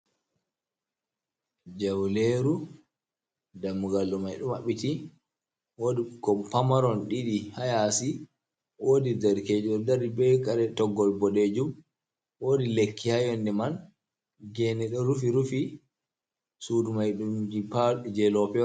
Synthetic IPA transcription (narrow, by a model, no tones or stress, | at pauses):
d͡ʒawleɾu | damːuɡalːɔmajɗumaɓiti | woːdikɔpamaɾɔnɗiɗihajasi | woːdidaɾked͡ʒɔdaɾibɛkaɾɛtɔɡːɔlbɔɗed͡ʒum | woːdilekːihajɔndɛman | ɡɛnɛɗɔɾufiɾufi | sudumajɗumd͡ʒipad͡ʒɛlɔpɛɔ